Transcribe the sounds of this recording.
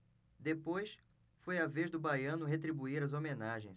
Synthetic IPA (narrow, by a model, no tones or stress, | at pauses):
d̪epojs | fojaveʒd̪ʊbajɐ̃nʊɦet̪ɾibuiɾɐzomẽnaʒḛ̃j̃s